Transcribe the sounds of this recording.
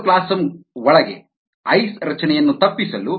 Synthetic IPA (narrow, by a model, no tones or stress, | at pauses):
klaːsɐmɔɭɐɡḛ | ɐjsɾɐt͡ʃɐnɛjɐnːut̪ɐpːisɐlu